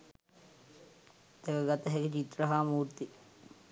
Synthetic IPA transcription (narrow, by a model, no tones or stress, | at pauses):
t̪ekəɡat̪əɦɛɡit͡ʃit̪ɾəɦaːmuːɾt̪i